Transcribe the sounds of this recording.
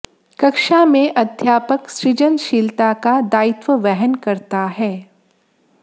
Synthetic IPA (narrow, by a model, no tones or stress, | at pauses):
kɐkʃamẽʔɐd̪ʱjaːpəksɾɪd͡ʒənʃiːlt̪akad̪aːɪt̪wəʋɛɦənkɐɾt̪aɦɛː